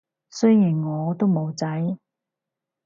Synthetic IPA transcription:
sɵ˥ɥjiː˨˩nŋɔː˨˧t̪o˥wmo˨˧wt͡sɐ˨˥j

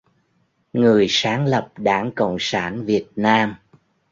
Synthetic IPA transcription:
ŋɨ˨˩əjsaː˨˦ŋlə˨˩p̚ɗaː˧˩ŋkə̰˧˨wŋ͡msaː˧˩nvi˨˩ət̚naː˧m

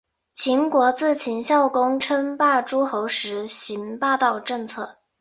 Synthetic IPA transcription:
t͡ɕʰi˧˥ŋkwɔ˧˥t͡sɹ̩˥˩t͡ɕʰi˧˥nɕjɑ˥˩ʊkʊ˥ŋʈ͡ʂʰə˥ŋpa˥˩ʈ͡ʂu˥xo˧˥ʊʂɻ̩˧˥ɕi˧˥npɑ˥˧t̪ɑ˥˩ʊʈ͡ʂɤ˥˧ŋt͡sʰɤ˥˩

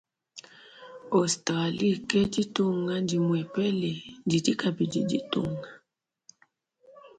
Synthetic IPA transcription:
ɔ˨sta˨li˦˨kɛ˦d͡ʒi˦tu˦ŋa˦ndi˨mwɛ˨pɛ˦lɛ˨ndi˨d͡ʒi˦ka˨bi˨d͡ʒḭ˦ḭ˦tṵ˦ŋa˨

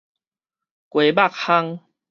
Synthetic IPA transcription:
kwe˨ba˥˨k̚ha˦ŋ

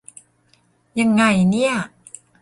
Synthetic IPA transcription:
ja˧ŋːa˧jni˥˩ɐ

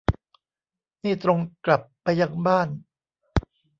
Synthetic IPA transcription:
niː˥˩t̪ɾo˧ŋkla˨˩pːa˧jːa˧ŋbaː˥˩n

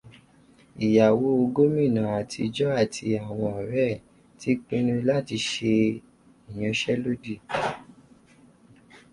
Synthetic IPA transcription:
i˨ja˨wo˨˧˦o˧ɡo˦mĩ˦˨nã˨a˨tʰḭ˧d͡ʒɔ˦a˦˨tʰi˧a˨w̃ɔ̃˧ɔ˨ɾɛ˦˨ | ti˦k͡pĩ˦nũ˦˧la˦˨ti˧ʃe˧ | i˨j̃ã˧ʃɛ˦lo˦di˦˨

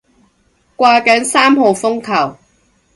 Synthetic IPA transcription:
kʷaː˧kɐ˨˥nsaː˥mɦo˨˧wfʊ˥ŋkʰɐ˨˩w

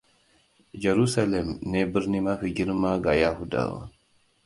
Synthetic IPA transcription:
d͡ʒe˨ɾu˦sa˦le˨mne˦bi˦ɾni˦ma˦fi˨ɡi˦ɾma˦ɡa˨ja˦hu˦da̰˨wa̰˨

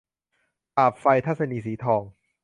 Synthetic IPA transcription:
ʔaː˨˩p̚fa˧jt̪ʰa˦˥t̚sa˧niː˧siː˩˦t̪ʰɔː˧ŋ

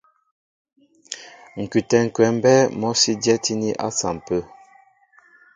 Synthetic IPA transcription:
ŋ̩˨kʉ˨tɛ˨ŋ̩˨kwɛ˨m̩˦bɛ˦mɔ˦si˦djɛ˦ti˦ni˦ʔa̰˦sa̰˨m˨pə˦

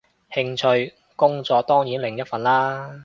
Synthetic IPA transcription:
hɪ˧ŋt͡ʃʰɵ˧ɥ | kʊ˥ŋt͡sɔː˧t̪ɔː˥ŋjiː˨˥nlɪ˨˩ŋjɐ˥t̚fɐ˨nlaː˥

